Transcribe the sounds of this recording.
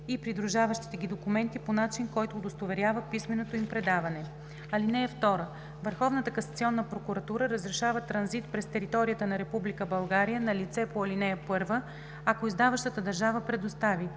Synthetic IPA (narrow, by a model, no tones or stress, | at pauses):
ipɾid̪ɾuʒavəʃt̪i̥t̪ɛɡid̪okumɛnt̪iponat͡ʃinkɔjt̪oːd̪ost̪ovɛɾʲavəpismɛnot̪oimpɾɛd̪avɐnɛ | ɐlinɛɛft̪ɔɾə | vəɾxɔvnət̪əkɐsɐ̥t̪siɔnːəpɾokuɾɐt̪uɾəɾəzɾɛʃavət̪ɾɐnzit̪pɾɛst̪ɛɾit̪ɔɾijət̪ənɐɾɛpublikəbɐlˠɡaɾijənɐlit̪sɛpoɐlinɛpɤɾvə | akoizd̪avəʃt̪ət̪əd̪ɐɾʒavəpɾɛd̪ost̪avi